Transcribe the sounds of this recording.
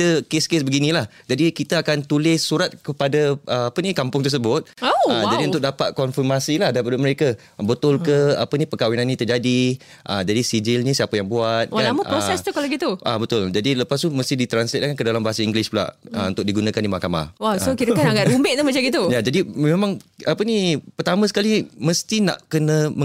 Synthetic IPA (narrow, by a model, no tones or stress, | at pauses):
dəkeskɪsbəɡinĩlah | d͡ʒadikit̪aakant̪ulɪssuɾat̪̚kəpadaʔəapənikampʊŋt̪ərs̬əbʊt̪̚əd͡ʒadiunt̪ʊk̚dapat̪̚kɔnfirmasilahdaipadʊməɾeka | bət̪ʊlkəapənipəkawinanːĩt̪ərd͡ʒadi | ʔə̰d͡ʒadisid͡ʒɪlnĩsiapajaŋbuat̪̚aaməɾosɛst̪ukaloɡit̪uʔabət̪ʊld͡ʒadiləpast̪uməst̪idit̪ɾanslɛt̪̚akankədalambaɦasaiŋɡlɪspula̰ʔə̰unt̪ʊk̚diɡunãkandimahkama̰waokiɾəkanaɡaʔɾumbɪʔ̚t̪uməd͡ʒaɡit̪ujad͡ʒadimẽmãŋapənipərt̪amə̃sə̥kaliməst̪ina̰ʔkənə̃mə